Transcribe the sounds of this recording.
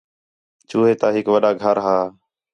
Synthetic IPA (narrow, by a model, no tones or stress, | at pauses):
t͡ʃuːɦeːt̪aːɦɪkʋəɗaːɡʱəɾɦaː